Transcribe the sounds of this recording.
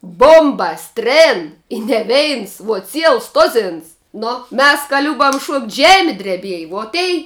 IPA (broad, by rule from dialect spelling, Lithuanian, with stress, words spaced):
ˈboːmbɐs ˈtʲrʲeːn ɪ nʲɛ ˈʋʲɛɪns ʋuɔ ˈt͡sʲiɛlˠs ˈtoːzʲɪns ˈnʊ ˈmʲɛs kɐ ˈlʲʊbɐm ʃuɔktʲ ˈʒʲæːmʲɪ dʲrʲɛˈbʲiɛjɪ ʋuɔ ˈtʲɛɪ